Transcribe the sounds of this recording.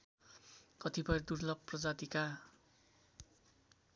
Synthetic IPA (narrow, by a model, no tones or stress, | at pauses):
kʌt̪ibʌjrd̪urlʌb̚prʌd͡zat̪ika